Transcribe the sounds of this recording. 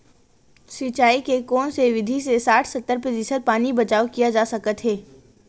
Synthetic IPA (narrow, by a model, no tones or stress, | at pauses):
sit͡ʃaːikekɔːnseʋɪd̪ʱisesaːʈʰsət̪ːəɾpəd̪isəɾ̚paːnibɐt͡ʃaːokijad͡ʒaːsɐkət̪ɦɛː